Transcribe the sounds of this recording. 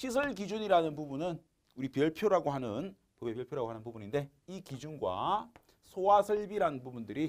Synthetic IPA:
ɕʰis̬ʰɯɭkid͡ʑuɲiɾanɯnpubunɯn | uɾipjʌɭpʰjoɾaɡoɦanɯn | pobepjʌɭpʰjoɾaɡoanɯnpubuninde̞ | ikid͡ʑunɡwa̰ | sʰowasʰʌɭbiɾanɯnpubundɯɾi

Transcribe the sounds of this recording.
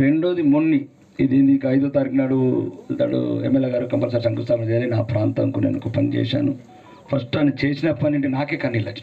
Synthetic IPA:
ɾeɳɖo̞ːd̪imonːi | id̪eːnd̪ikɐɐjd̪oːt̪aːɾiknaːɽut̪a̰ːɽṵemːelːeːɡaːɾukɐmpɐsɐɾsɐŋkust̪aːmd͡ʒejalinaːpɾaːnt̪ɐŋkunḛːnukupɐnit͡ʃɛ̰ːʃa̰ːnu | pʰɐsʈɐnit͡ʃeːsinɐpːɐniɳʈinaːkeːkɐnːilːɐt͡ʃːi̥

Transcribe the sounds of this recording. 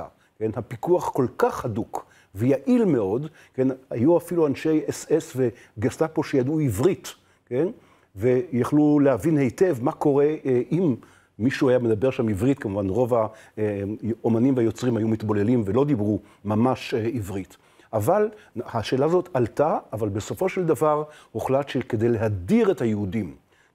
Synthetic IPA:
a̰ | ke̞nhapikuaχko̞lkaχhaduk | vejaʔilme̞o̞d | ke̞nhajuafiluanʃe̞jesesve | ɡestapoʃejaduivʁit | ken | ve̞jaχlulehavinhe̞jte̞vmako̞ʁe̞ʔimː | iʃuajamed̪abe̞ʁʃamivʁit̪kamuvanʁo̞va | omanimveajo̞t͡sʁimhajumit̪bo̞lelimvelo̞d̪ibʁu | mamaʃivʁit̪ | avalhaʃe̞ːlazo̞t̪ʰaltaːvalbesofo̞ʃeld̪avaʁhoχlatʃeked̪e̞jleɦadiʁethajehudim

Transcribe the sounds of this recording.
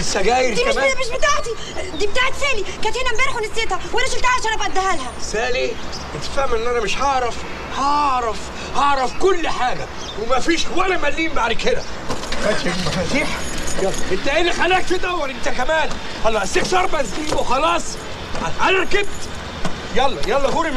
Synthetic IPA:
sæɡæːjɪɾd̪iæʃmæːæmeʃbet̪aːʕt̪i | d̪iːbet̪aːʕet̪feːlikænt̪henæmbæɾħonesjet̪hæwænæʃelt̪aʕaʃæɾæbʔæd̪æhælhæsæːliʔet̪fæhmʔenːʔænæmeʃhɑʕɾˤɑf | hɑʕɾˤɑf | hɑʕɾˤɑfkolːħaːɡæ | wemæfiːʃwælæmælːiːmbaʕd̪ked̪æ̰æt̪fæt̪iːħjɑlːɑ̰ʔent̪æʔenːixælæːkt̪ed̪æhwːæɾʔent̪ækæmæːn | ʔɑlˤːɑːsekt̪ɑɾˤbæziːwexɑlɑːsˤ | ʕælæɾˤɑkeb̚t̪ | jɑlˤːɑjɑlˤːɑɣuːɾi

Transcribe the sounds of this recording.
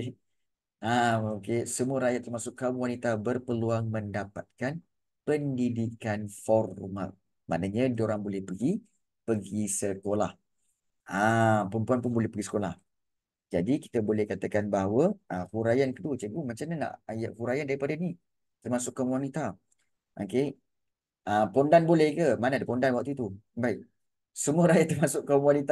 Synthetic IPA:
ʔaokesəmuəɾajat̪t̪ːərmasʊkːəmwanit̪abərpəluaŋməndapat̪̚kan | pəndidikanfɔrma̰ | ma̰ʔnaɲədoɾaŋbolɛhpəɡi | pəɡisəkolah | ampəmpuanpʊnbolɛhpəɡisə̥kolah | d͡ʒadiki̥t̪əbolɛhkat̪əkanbaɦawəʔəkuɾajankət̪uət͡ʃəɡumat͡ʃamɲana̰ʔajaʔkuɾajandaɾipadani | t̪ərmasʊʔkːəmwanit̪a | ʔo̰ke | ʔəpɔndanbolɛhkəmanaadəpondanwak̚t̪uit̪ubaiʔ | səmuəɾajat̪ərmasʊʔkəmwanit̪a

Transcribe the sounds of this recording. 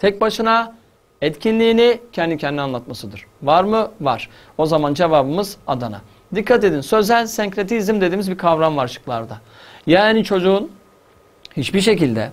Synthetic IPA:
t̪ʰɛc̚baʃɯna | ɛt̪cʰinlʲiːnicʰɛnd̪icʰɛnd̪ianlˠat̪masɯd̪ɯɾ̥vaɾmɯvaɾ̥ | o̞zamand͡ʒe̞vaːbɯmɯzad̪ana̰ | d̪ikʰːat̪e̞d̪insøzælʲsɛɲkɾet̪iːzimd̪ed̪iːmizbikʰavɾanvaɾʃɯ̥klˠaɾd̪a | jaːnit͡ʃʰo̞d͡ʒuːn | hit͡ʃbiɾʃ̬e̞cilʲd̪ɛ̰

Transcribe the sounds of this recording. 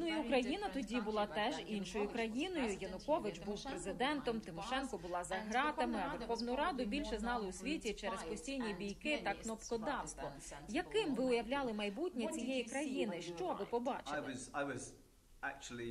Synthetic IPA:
nuiʊkɾɐjin̪ɐt̪ɔdʲibʊlˠɑt̪ɛʒinʃɔjʊkɾɐjinɔjʊjɐnʊkɔʋɪt͡ʃbuwpɾezɪd̪ɛnt̪ɔmt̪ɪmɔʃɛnkɔbʊlˠɑzɐɦɾɑt̪ɐmɪɐʋrxɔwnʊjʊɾɑd̪ʊbʲilʲʃɛznɑlˠɪʊsʲʋʲitʲit͡ʃɛɾezpɔsʲtʲijnʲibʲijkɪt̪ɐknɔpkɔd̪ɑt̪ɔjɐkɪmʋɪʊjɐwlʲɑlˠɪmɐjbutʲnʲit͡sʲijejikɾɐjinɪʃt͡ʃɔʋɪpɔbɑ̰t͡ʃɪ̥zaɪwɒz | æk̚t͡ʃl̩ˠi

